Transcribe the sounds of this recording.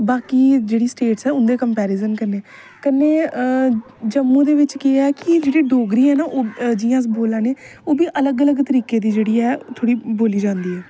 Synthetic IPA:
baːkiːd͡ʒeːɽiːsʈeːʈsɛːʊnd̪eːkəmpɛːɾɪzənkəneː | kəneː | d͡ʒəmːũːd̪eːʋɪt͡ʃkɪaːɛːkɪd͡ʒeːɽiːɖoːɡɾiːɦɛːnaːʔoːd͡ʒɪjãːsboːlãːneːoːbiːʔələɡələɡt̪əɾiːkeːd̪iːd͡ʒeːɽiːɛːt̪ʰoːɽiːboːliːd͡ʒãːnd̪iːɛː

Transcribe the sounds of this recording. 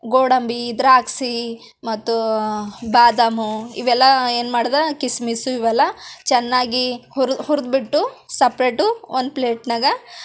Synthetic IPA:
ɡoːɽɐmbid̪ɾaːksi | mɐt̪ːu | baːd̪ɐmuḭʋɛlːɐe̞ːnmaːɽɐd̪ɐkismisuiʋɛlːɐt͡ʃɛnːaːɡiuɾhuɾd̪biʈːusɐpɾeːʈːuond̪̚pleːʈnɐɡɐ

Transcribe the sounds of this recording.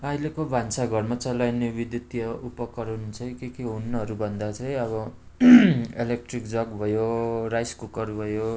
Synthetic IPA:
ʌilekobʱansaɡʱʌrmat͡sʌlajnebid̪jut̪ijʌupʌkʌɾʌnt͡sʰʌj̃kekeɦunːʌɦʌɾubʱʌnd̪at͡sʌj̃ʌβʌ | elek̚ʈrikd͡zʌɡbʱʌjorajskukʌrbʱʌjo

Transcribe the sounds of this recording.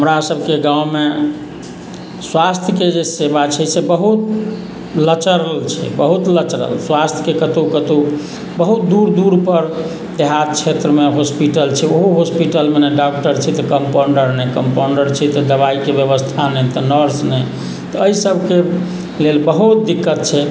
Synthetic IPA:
ɦəmɾasəbʱkeɡãwme | swast̪ʰjəked͡ʒesebat͡ʃʰɛsebəɦut̪ | lət͡ʃəɾəlt͡ʃʰɛ̰bəɦut̪lət͡ʃɾə̰lswast̪ʰə̥kekət̪okət̪o | bəɦut̪̚d̪uɾd̪uɾpəɾ | d̪eɦat̪̚t͡ʃʰet̪ɾəmeɦospiʈəlt͡ʃʰɛoɦoɦospiʈəlmenɛɖak̚ʈəɾt͡ʃʰɛt̪ɔkəmpoɳɖəɾnɛkəmpoɳɖəɾt͡ʃʰɛt̪ɔd̪əβaikebjəβəst̪ʰanɛt̪ɔnəɾsnɛ | t̪ɔəisəbʱke | lelbəɦut̪̚d̪ikːət̪̚t͡ʃʰɛ

